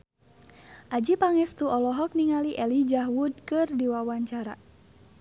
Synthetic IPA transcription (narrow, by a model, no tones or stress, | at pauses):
ʔad͡ʒipaŋɛst̪uɔlɔɦɔk̚niŋaliʔɛlid͡ʒaɦwud̚kɨrdiwawaɲt͡ʃaɾa̰